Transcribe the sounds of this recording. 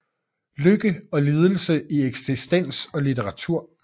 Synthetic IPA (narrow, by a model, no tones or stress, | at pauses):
løɡ̥əɒ̽le̝ːð̞ˠəl̩səieɡ̥sisd̥en̰sɒ̽lit͡sʰeʁɑ̈t͡sʰuɐ̰